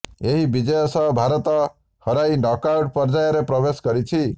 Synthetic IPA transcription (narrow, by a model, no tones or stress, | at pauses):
eɦibid͡ʒɔjɔsʌɦbʱaɾɔt̪ɔ | hɔɾajnɔkawʈ̚pɔɾd͡ʒajɔɾepɾɔbesɡɔɾit͡ʃʰi